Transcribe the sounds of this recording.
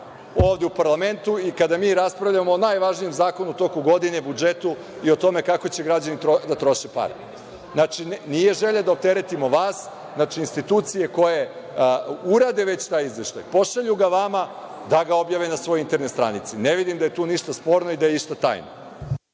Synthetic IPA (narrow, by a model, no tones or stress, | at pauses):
o̞ːʋd̪eupaɾlˠame̞nt̪uikad̪amiːɾaspɾaʋʎamo̞ːnajʋaʒnijemzaːko̞nut̪o̞koɡo̞d̪ine̞bud͡ʒet̪u | io̞t̪o̞me̞kako̞t͡ɕe̞ɡɾad͡ʑanit̪od̪at̪ɾo̞ʃepa̰ɾḛ | nat͡ʃinije̞ʒe̞ʎad̪aop̚t̪e̞ɾe̞t̪imo̞ʋaːs | nat͡ʃiːnst̪it̪uːt̪sije̞ko̞je̞ | uɾad̪e̞ʋe̞t͡ɕt̪aːjizʋeʃt̪a̰jpo̞ʃaʎuɡaʋama | d̪aɡao̞bjaːʋienasʋojoint̪e̞ɾnest̪ɾa̰nit̪sine̞ʋid̪imd̪ajet̪uːniʃt̪aspo̞ːɾnoid̪ajeiʃt̪at̪a̰ːjno̰